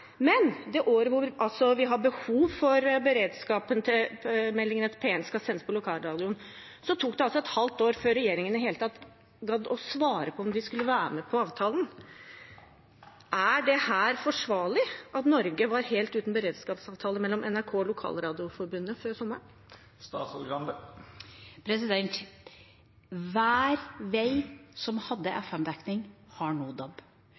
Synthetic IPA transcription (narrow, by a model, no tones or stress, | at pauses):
mɛnd̪ɛʔoːɾəʋʊɾʔɑlsɔʋɪɦɑbəhuːʋfɔɾbəɾeːd̪skɑːpənt̪ʰɪlmɛlːɪŋənət̪ʰpʰeːɛnskɑsɛnːəsəpʰɔlʊkʰɑːlɾɑːd̪ɪʊn | sɔt̪ʰuːkd̪ɛɑls̬ɔɛt̪hɑlt̪oːɾføːɾɛjeːɾɪŋənəɦeːlət̪ʰɑt̪ː | ɡɑd̪ɔsʋɑːɾəpʰɔɔmd̪ɪskʉlːəʋæːɾmɛpʰɔɑːʋt̪ʰɑːlən̩ | ʔæɖɛhæːɾfɔʂʋɑːɭɪʔɑt̪nɔɾɡəʋɑɾheːlt̪ʉːt̪nbəɾeːd̪skɑːpsɑːʋt̪ʰɑːləmɛlːɔmʔɛnæɾkʰoːɔlʊkʰɑ̰ːlɾɑːd̪ɪʊfɔɾbʉnːəføːɾsɔmːəɳ | st̪ɑːsɔɡɑnd̪ə | pʰɾɛsɪd̪ɛnt̪ | ʋæːɾʋæɪsɔmhɑd̪ːəʔɛfɛmd̪æknɪŋhɑɳuːd̪ɑb